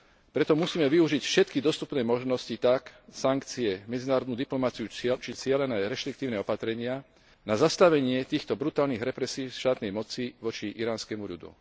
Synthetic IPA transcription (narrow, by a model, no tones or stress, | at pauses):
pɾɛt̪ɔmusiːmɛʋiuʒicfʃɛt̪kid̪ɔst̪upnɛːmɔʒnɔscit̪aksaŋkt͡siɛmɛd͡zinaːɾɔd̪nuːd̪iplɔmat͡siut͡ʃit͡sɪɛlɛnɛːɾɛʃt̪ɾik̚t̪iːʊnɛɔpat̪ɾɛɲɪa | nazast̪aʋɛɲɪɛt̪iːxt̪ɔbɾut̪aːlniːɣɾɛpɾɛsiːʃt̪aːt̪nɛjmɔt͡siːʋɔt͡ʃiʔiɾaːnskɛmuʎṵd̪ṵ